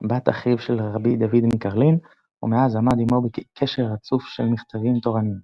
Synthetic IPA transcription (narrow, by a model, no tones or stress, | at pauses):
bat̪aχivʃelʁʁabid̪avid̪mikaʁlin | ṵmeazamad̪imobekʰeʃeʁhat͡sufʃelmiχt̪avimt̪o̞ʁanim